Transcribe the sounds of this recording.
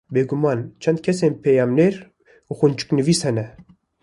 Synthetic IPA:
beːɡumɑːnt͡ʃʰɛnd̪̚kʲʰɛseːnpʰɛjɑːmneɾ | uxunt͡ʃɨ̥knɨviːshɛnɛ

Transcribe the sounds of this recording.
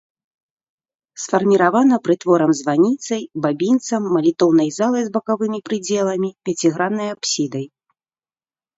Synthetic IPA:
sfɐrmʲiɾavanɐpɾɨt̪vɔɾɐmzvanʲit̪sɐjbabʲint̪sɐmːɐlʲit̪ɔwnɐjzalˠɐjzbɐkavɨmʲipɾɨd͡zʲɛlˠɐmʲipʲɛt͡sʲiɣɾanːɐjapsʲid̪ɐj

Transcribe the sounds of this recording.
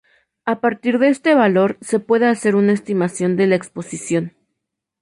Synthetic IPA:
apaɾt̪iɾðeest̪e̞βalo̞ɾse̞pwe̞ðe̞ase̞ɾunaest̪imasjo̞nd̪e̞laekspo̞sisjo̞n

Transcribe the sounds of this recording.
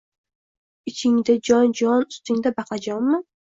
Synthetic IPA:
ɪt͡ʃʰɪŋd̪ad͡ʒɒnd͡ʒɒnʊst̪ɪŋd̪abɑqʰɑd͡ʒɒmːɪ

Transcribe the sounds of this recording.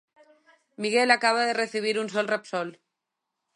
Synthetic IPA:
miɣelakaβ̞aðereθiβ̞iɾunsɔlrepsɔl

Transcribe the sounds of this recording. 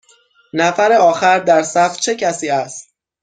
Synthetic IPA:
næfæɾeɒːxæɾd̪æɾsæft͡ʃʰe̞cʰæsiːæst̪

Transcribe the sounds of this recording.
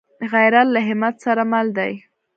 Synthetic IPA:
ɣajɾallaɦɪmat̪saɾamald̪aj

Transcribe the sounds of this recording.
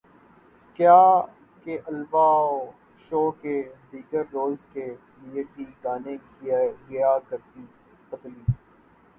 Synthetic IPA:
kjaː | keʔɐlbaoː | ʃoːked̪iːɡəɾːoːlzke | lieʈiːɡaːne | ɡɪjakəɾt̪iː | pət̪liː

